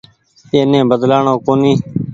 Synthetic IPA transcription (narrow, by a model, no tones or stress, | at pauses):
eːnẽːbəd̪laːɳõːkoːniː